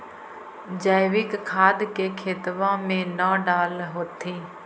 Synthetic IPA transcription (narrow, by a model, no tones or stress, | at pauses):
d͡ʒaːɪʋɪkkʰaːd̪keːkʰeːt̪ʋãːmẽːnãːɖaːlɦoːt̪ʰiː